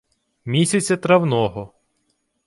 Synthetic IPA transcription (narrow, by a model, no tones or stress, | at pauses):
mʲisʲɐt͡sʲːɐt̪ɾɐwnɔɦɔ